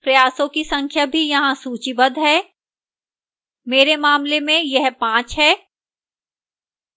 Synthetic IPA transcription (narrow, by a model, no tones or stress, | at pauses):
pɾɐjaːsõkisɐ̃ŋkʰjabʱijɐɦãsuːt͡ʃibɐd̪ʱɦɛː | meːɾemaːmlemẽjɐɦpãːt͡ʃɦɛː